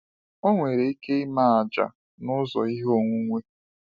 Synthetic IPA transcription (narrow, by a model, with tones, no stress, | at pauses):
o˦ŋʷe˨ɾe˨i˦ke˦i˦ma˦˨a˨d͡ʒa̰˨ | nʊ˦zɔ̰˨i˦ɦo˦˨ŋʷu˦ŋʷe˦